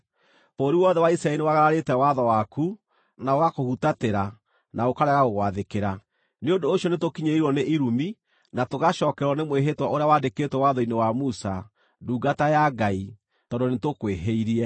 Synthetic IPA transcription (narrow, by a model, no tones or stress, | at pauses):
poːɾiwɔðɛwaisɾaɛlinewaɣaɾaɾetɛwaðɔwaku | naoɣakohutateɾa | naokaɾɛɣaɣoɣwaðekeɾa | neondoːɕjɔnetokiɲeiɾwɔneʔiɾumi | natoɣaʃɔːkɛɾwɔnemweɦetwaoɾeawandeketwɛwaðɔinewamusa | duːɡatajaɡai | tɔndonetokweɦeiɾiɛ